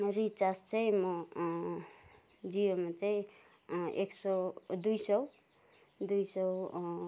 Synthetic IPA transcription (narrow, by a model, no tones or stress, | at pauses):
rit͡sarst͡saĩmʌ | d͡zijomat͡saĩ | eksʌd̪ujsʌw | d̪ujsʌw